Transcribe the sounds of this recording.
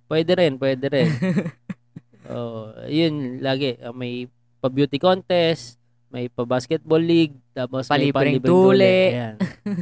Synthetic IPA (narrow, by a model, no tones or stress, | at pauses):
pwɛːd̪ɛɾɛnpwɛd̪ɛɾɛn | ʔo̰ʔjʊnlaːɡɛʔɐŋmɐj | pɐbjuːt̪ɪkont̪ɛs | mɐjpɐbaskɛt̪̚bolːiɡ̚t̪aːpɐsɐlɐibpɐɾɪiːbɾuːulɛjan